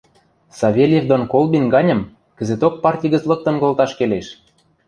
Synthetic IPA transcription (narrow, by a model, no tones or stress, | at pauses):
sɑβʲelʲjevd̪onkolbʲinɡɑnʲɤ̆m | kə̆zet̪ok̚pɑrtʲijɣə̆t͡slɤ̆k̚t̪ɤ̆nkolˠt̪ɑʃkeleʃ